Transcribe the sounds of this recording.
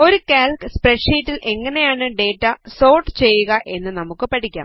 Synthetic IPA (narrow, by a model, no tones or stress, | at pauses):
o̞ɾukaːlkɨspreʈʂiːtːilʔe̞ŋːɐne̞jaːɳɨɖe̞ːtːɐso̞ːrʈːɨt͡ɕe̞jːuɣɐʔe̞nːɨnɐmukːɨpɐʈʰikʲːa̰ːm